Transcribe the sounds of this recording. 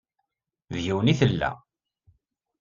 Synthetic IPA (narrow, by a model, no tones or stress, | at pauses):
ðjiwəniθəlːæ̰